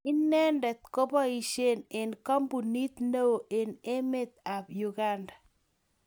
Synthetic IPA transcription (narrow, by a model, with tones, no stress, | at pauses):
i˦nːɛ˦ndɛ˨t̪̚ko˦bɔ˦i˦ʃe˦ne˨nkɔ˦mbu˨ni˦t̪no˦wo˨ʔe˨ne˦me˦t̪̚a˨bju˨ɡa˦nda˨